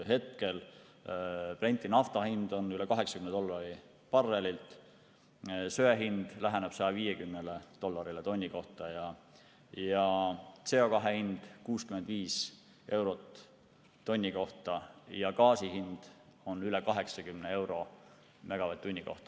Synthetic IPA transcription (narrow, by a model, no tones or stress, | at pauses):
ɦe̞t̪̚ke̞l | ple̞nʲt̪ːˑinɑft̪ɑhind̪̥o̞nylɛkɑɦe̞ksɑkymned̪o̞lːɑɾi | pɑrːelilt̪ˑ | søeɦind̪̥læɦeneb̥sɑjɑviːjekymnelet̪o̞lːɑɾilet̪o̞nʲːiko̞ht̪ɑjɑ | jɑt̪se̞o̞kɑɦehind̪̥kuːskymend̪viːs | ʔe̞wɾo̞t̪ː | o̞nʲːiko̞ht̪ɑjɑkɑːsiɦind̪̥o̞nylɛkɑɦe̞ksɑkymnee̞wɾo̞ | mæɡ̥ɑvɑt̪ːunʲːiko̞̰ht̪ɑ̥